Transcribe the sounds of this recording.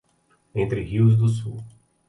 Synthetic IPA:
ẽnt̪ɾɪhiwzd̪ʊsṵ

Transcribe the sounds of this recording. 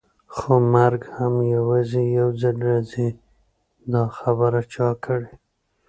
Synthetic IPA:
xomaɾɡhamjawɑzejawzalɾaze | d̪ɑxabəɾat͡ʃɑkʰəɽe

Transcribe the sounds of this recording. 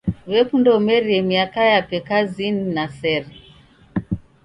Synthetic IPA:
βɛkundɔmɛɾiɛmiakajapɛkazininasɛɾɛ

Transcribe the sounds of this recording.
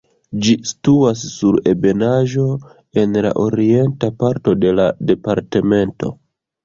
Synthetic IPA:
d͡ʒisi̥tuas̬ːuɾe̞be̞naʒo̞ | e̞nla̰ʔo̞ɾie̞ntapaɾto̞de̞lade̞paɾte̞me̞nto̰

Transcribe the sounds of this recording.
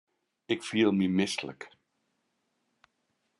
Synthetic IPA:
ɪkfiːəlˠmimɪslə̰k

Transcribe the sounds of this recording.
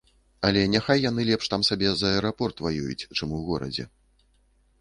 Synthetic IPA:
ɐlʲɛnʲaxajːan̪ɨlʲɛpʂt̪amsabʲɛzɐɛɛɾapɔrt̪vajṵjṵt͡sʲt͡ʂɨmuwɣɔɾɐ̰d͡zʲɛ̰

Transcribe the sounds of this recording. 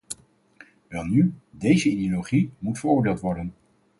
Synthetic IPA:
ʋɛlˠnydejzəidioloχimutfəɹʊːɹdeːlˠtʋɔɹdən

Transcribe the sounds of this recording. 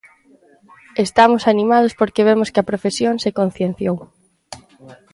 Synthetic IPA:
est̪amʊsanimað̞ʊspoɾkeβ̞emʊskɪɐpɾofesjõŋsekon̟θjenθjow

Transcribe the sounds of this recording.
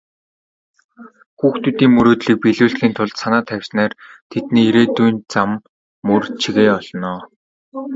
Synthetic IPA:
xuːxt̪ʰut̪iːŋmɵɾoːt̪ɮiːk̚piɮuːɬxiːnt̪ʰʊɮt̪sanaːt̪ʰæw̥ʲsnaːrt̪ʰet̪niːiɾeːt̪ujnt͡samː | ɵrt͡ɕʰiɣeːɔɮnɔː

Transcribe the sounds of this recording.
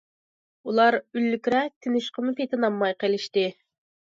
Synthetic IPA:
ulˠɑɾylːykʲɾɛt̪ʰynyʃqʰəmʊpʰet̪ʰɪnɑmːɑjqʰelˠɪʃt̪ɪ

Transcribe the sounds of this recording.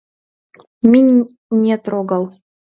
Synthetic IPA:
mʲinʲ | nʲet̪ɾoɡɑlˠ

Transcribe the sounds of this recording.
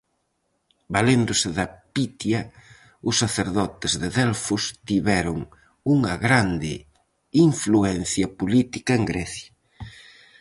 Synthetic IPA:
balend̪ʊsɪðɐpit̪jɐ | ʊsːaθeɾðɔt̪ɪzðeðɛlfʊst̪iβɛɾʊŋ | uŋɐɣɾand̪ɪ̰ | iɱfluɛnθjɐpolit̪ikɐeŋɡɾɛθjɐ

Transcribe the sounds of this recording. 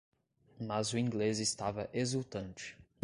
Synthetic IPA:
mazʊĩŋɡlezɪst̪avɐʔezuwt̪ɐ̃nt͡ʃɪ̥

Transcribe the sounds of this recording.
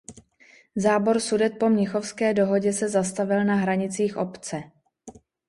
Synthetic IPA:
zaːbo̞ɾsudɛt̪̚po̞mɲɪxo̞fskɛːdo̞ɦo̞ɟɛsɛzast̪avɪlnaɦɾaɲɪt͡siːxʔo̞pt͡sɛ

